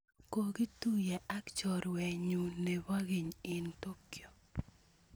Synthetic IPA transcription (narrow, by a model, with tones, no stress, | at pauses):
ko˨ɡi˦tu˦jɛ˨a˦kt͡ʃɔ˨ɾwɛ˨ɲu˨nɛ˨wa˦ɡi˨ɲɪ˨nto˦kjɔ˨